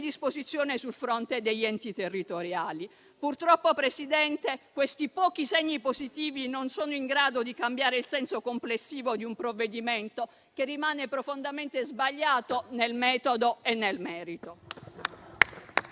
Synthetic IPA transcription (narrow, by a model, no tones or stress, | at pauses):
d̪ispozit̪sːjoːnesulfɾont̪ed̪eʎːɛnt̪it̪erːit̪oɾjaːli | purt̪ɾɔpːopɾesid̪ɛnt̪ekwest̪ipɔːk̟iseɲːipozit̪iːvinonsoːnoiŋɡɾaːd̪od̪ikambjaːɾeilsɛnsokomplesːiːvod̪iumpɾovːed̪iment̪o | kerːimaːnepɾofond̪ament̪ezbaʎːaːt̪onelmɛːt̪od̪oenːelmɛːɾit̪o